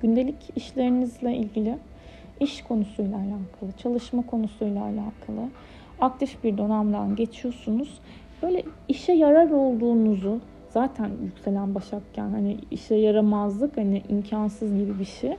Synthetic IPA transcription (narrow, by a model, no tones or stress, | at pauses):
ɟynd̪e̞lʲiciʃlʲe̞ɾinizlʲɛʔilʲɟilʲɪ | iʃkʰo̞nusujlʲˠaːlʲaːkʰalˠɯt͡ʃʰalˠɯʃmakʰo̞nusujlˠa̰ːlʲaːkʰalˠɯ | ak̚t̪ʰifbiɾd̪o̞namd̪anɟe̞t͡ʃʰijo̞sunuz̥ | b̥ø̞jlʲɛ | iʃɛjaɾabo̞lˠd̪uːnuzu | z̥aːt̪ʰænjycʲse̞lʲænbaʃakcʰæ̰nhaniḭʃɛjaɾamazlˠɯkhanɪʔimcʰansɯzɟibibiʃi